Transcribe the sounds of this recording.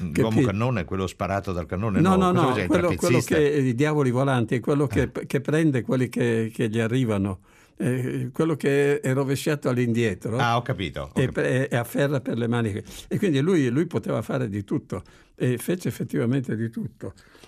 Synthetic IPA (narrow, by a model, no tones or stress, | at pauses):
lkewɔːmkkanːoːnkwelːospaɾaːt̪od̪alkanːonenɔnɔnɔkwelːokweːokeid̪jaːvolivolant̪iɛkwelːokekepːɾɛnd̪ekwelːikekeʎiarːiːvano | ɛkwelːokeɛroveʃaːt̪oalːind̪jɛt̪ɾoaɔkːapḭːt̪o̰epɛɛafːɛrːaperlemaːnikekwind̪ilujlujpot̪eːvafa̰ːɾed̪it̪ut̪ːo | efeːt͡ʃeːfːet̪ːivament̪ed̪it̪ut̪ːo